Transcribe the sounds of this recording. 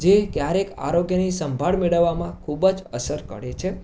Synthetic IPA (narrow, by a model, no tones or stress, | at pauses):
d͡ʒekjaɾeka̰ɾoɡjənisəmbʱaɭmeɭəʋːamãkʰubəd͡ʒəsəɾkə̰ɽet͡ʃʰe